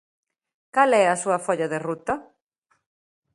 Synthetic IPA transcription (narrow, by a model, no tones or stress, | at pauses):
kalɛɐsuɐfɔʎɐðerut̪ɐ